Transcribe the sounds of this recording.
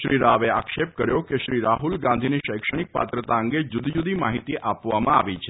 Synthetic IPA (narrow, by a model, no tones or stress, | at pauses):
ʃɾiɾaʋeakʃepkəɾjokeʃɾiɾaɦulɡãnd̪ʱiniʃəjkʃəɽ̃ik̚pa̰t̪ɾət̪aəŋɡed͡ʒud̪ʱd͡ʒud̪imaɦit̪iʔapʋamãa̰ʋit͡ʃʰe